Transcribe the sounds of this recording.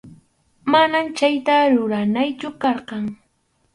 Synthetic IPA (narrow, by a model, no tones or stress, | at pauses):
manamt͡ʃajt̪aɾʊɾanajt͡ʃʊkɑɾqɑŋ